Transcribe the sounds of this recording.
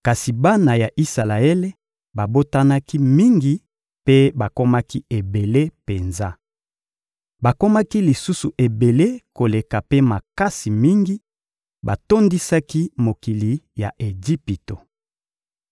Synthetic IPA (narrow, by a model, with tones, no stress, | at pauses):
ka˨si˨ba˦na˨ja˨ʔi˦sa˨la˨e˦le˦ | ba˨bo˦ta˦na˦ki˦mi˦ŋɡi˨ | pe˦ba˨ko˦ma˦ki˦e˨be˨le˦pe˨nza˦ | ba˨ko˦ma˦ki˦li˨su˦su˨ʔe˨be˨le˦ko˨le˨ka˨pe˦ma˨ka˦si˨mi˦ŋɡi˦ | ba˨to˦ndi˦sa˦ki˦mo˨ki˨li˨ja̰˨ʔe˨d͡ʒi˦pi˨to˨